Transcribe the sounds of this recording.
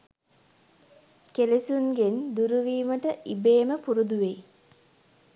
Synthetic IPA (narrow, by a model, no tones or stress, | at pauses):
kelesunɡend̪uɾuʋiːməʈəʔibeːməpuɾud̪uʋej